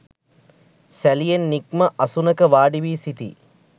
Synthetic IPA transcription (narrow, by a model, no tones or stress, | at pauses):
sælijenːikmɐʔɐsunɐkɐʋaːɖiʋiːsit̪ḭ